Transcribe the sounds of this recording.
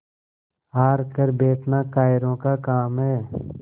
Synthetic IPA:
aːɾkəɾbeːʈnaːkaːɪɾõːkaːkaːmɦɛː

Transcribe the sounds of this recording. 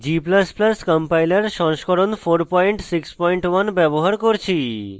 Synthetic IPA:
d͡ʑipləspləskəmpajleɾʃɔ̃ŋʃkɔɾonfʰoɾpɔjɳʈsikspɔjɳʈwanbɛboɦaɾkoɾt͡ɕʰi

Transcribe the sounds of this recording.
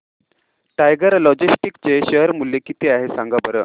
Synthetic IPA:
ʈajɡəɾlɔd͡ʑisʈikt͡ɕeɕəɦəɾmulːekit̪eaɦesãŋɡabəɾə

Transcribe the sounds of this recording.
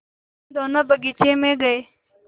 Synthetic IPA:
d̪oːnəbəɡit͡ʃẽːmẽːɡəeː

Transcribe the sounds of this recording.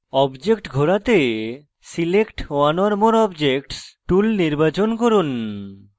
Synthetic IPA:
ɔbd͡ʑekʈɡʱoɾat̪e | silekʈoanɔɾmoɾɔbd͡ʑek̚ʈsʈulniɾbat͡ɕonkoɾun

